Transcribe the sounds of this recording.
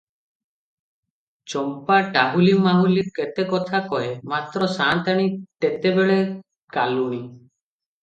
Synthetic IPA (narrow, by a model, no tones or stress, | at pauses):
t͡ʃɔmpaʈaɦulimaɦuliket̪ekɔt̪ʰakɔɦemat̪ɾɔsant̪aɽ̃it̪et̪ebeɭe | kaluɽ̃i